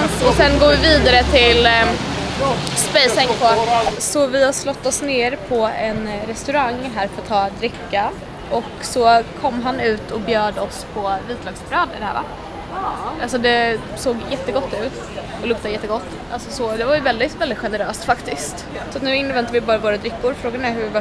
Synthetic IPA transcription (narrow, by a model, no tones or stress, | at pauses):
sɔsɛnɡoːɾvɪviːd̪aɾət̪ʰɪl | spɛst̪ɛŋkpʰɔsɔvɪhaslɔt̪ːɔsneːɾpʰɔɛnɾɛst̪ɵɾaŋːɦæːɾfœɾat̪ʰːɑːd̪ɾɪkːa | ʔɔksɔkʰɔmːɦanʉ̟ːt̪ʰɔkbjœːɖəɔspʰɔviːt̪lɑːɡsbɾœːd̪əd̪ɛhæ̰ːva̰ | ʔals̬ɔd̪ɛ | soːɡjɛt̪ːəɡɔt̪ːʉ̟ːt̪ | ɔlɵkt̪ajɛt̪ːəɡɔt̪ːʔalsɔsɔd̪ɛvajʏvɛld̪ɪt̪vɛld̪ɪt̪ɧɛnəɾøːst̪fakt̪ɪst̪ | sɔat̪nʉ̟ːɪnːvɛnt̪aɾvɪbɑːɾavoːɾad̪ɾɪkːʊɾfɾoːɡanɛhɵɪva